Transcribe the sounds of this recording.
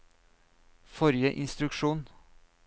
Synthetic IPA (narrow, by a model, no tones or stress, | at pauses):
fɔɾjəʔɪnst̪ɾʉkʃuːn